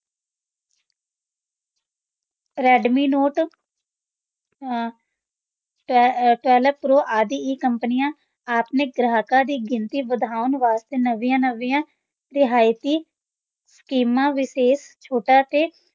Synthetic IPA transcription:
ɾɛːɖmiːnoːʈ | ʈʋɛːləpɾoːʔaːd̪iːiːkəmpənɪjãː | aːpneːɡɾaːkaːd̪iːɡɪnt̪iːbəd̪ʱaːʊnʋaːst̪eːnəʋijãːnəʋijãː | ɾɪɦaːjt̪iː | sə̥kiːmãːʋɪseːst͡ʃʰoːʈaːt̪eː

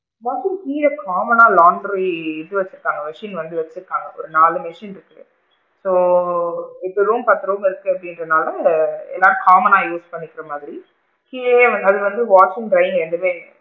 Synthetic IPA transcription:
ʋɐtɯkiːɾɐkʰaːmɐnaːlaːɳɖɾɾiɪðɯʋɐt͡ʃːɯɾɯkːaːŋɡɐʋɛʂinʋɐnd̪ɯʋɐt͡ʃːɯɾɯkːaːŋɡɐɔ̰ɾɯnaːlɯmɛʂinɪɾɯkːɯ | soː | ɛt̪ːɯɾuːmpɐt̪ːɾuːmɪɾɯkːɯɐpːɐɽɪnɾɐnaːlɐɛ̰lːaːɾɯkaːmɐnaːjuːspɐɳːɪkːɪɾɐmaːðɪɾi | kiːeːɐɐðɯʋɐnd̪ɯʋaːt͡ʃɪ̃ŋɡɖɾɐɪɪ̃ŋɡɛɳɖɯʋẽː

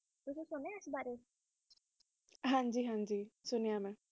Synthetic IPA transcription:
ʊsusʊneɪsbaːɾe | ɦãɲd͡ʒiːɦãɲd͡ʒiːsʊnijamɛ̃

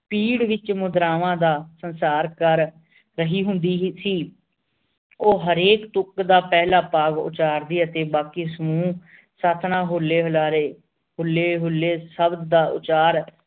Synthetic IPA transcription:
piːɽʋɪt͡ʃmʊd̪ɾaːʋãːd̪aːsənsaːɾkəɾː | əɦiːɦʊnd̪iːsiː | oːɦəɾeːkt̪ʊkd̪aːpɛːlaːpaːɡʊ̰t͡ʃaːɾd̪iːət̪eːbaːkiːsəmũː | saːt̪ʰnãːɦoːlːeːɦəlaːɾeː | ɦʊlːeːɦʊlːeːsəbd̪d̪aːʊ̰t͡ʃaːɾ

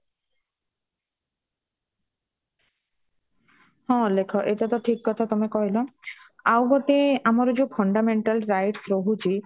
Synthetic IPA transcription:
hɔ̃lekʰɔʔetat̪ɔʈʰikːɔt̪ʰat̪ɔmekɔɦilɔ | awɡɔt̪eamɔɾɔd͡ʒupʰɔɳɖameɳʈalɾajʈsɾoɦut͡ʃʰi

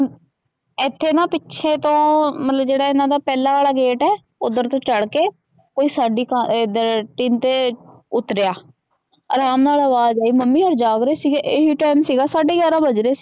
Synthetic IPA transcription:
ɪt̪ʰːeːnãːpɪtːʃʰeːt̪õːmət̪ləbd͡ʒeːɽaːɪnãːd̪aːpɛːlãːʋaːɭaːɡeːʈɛː | ʊd̪əɾt̪õːt͡ʃəɽkeː | koːiːsaːɖiːkad̪əʈɪːnt̪eː | ʊt̪ɾejaː | əɾaːmnaːləʋaːzaːiːməmːiːəɾd͡ʒaːɡɾeːsiːɡeːʔeːɦiːʈaːmsiːɡaːsaːɖeːɡjaːɾãːbəd͡ʒɾeːs

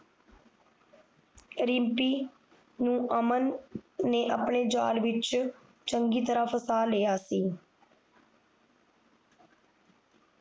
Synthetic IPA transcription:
ɾɪmpiː | nũːʔəmənːeːʔə̰pɳeːd͡ʒa̰ːlʋɪt͡ʃ | t͡ʃəŋɡiːt̪əɾaːpʰəsaːleːaːsiː

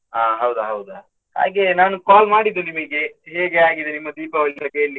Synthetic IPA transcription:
aːɦɐwd̪uɦɐwd̪u | ha̰ːɡenaːnukaːlmaːɽid̪ːunimɐɡe̞ɦeːɡeaːɡid̪enimːɐd̪iːpɐʋɐɭiɾɐke̞ːɭli

